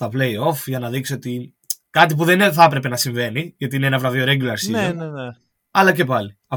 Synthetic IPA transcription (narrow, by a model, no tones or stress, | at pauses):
tɐple̞jo̞fʝɐnɐðikso̞t̪i | kɐt̪̬ip̬uðenθɐpɾe̞pe̞nɐsiɱve̞niʝɐt̪iineenɐvɾɐvio̞ɾeɟilɐɾsinene | ɐlɐce̞pɐli | ɐ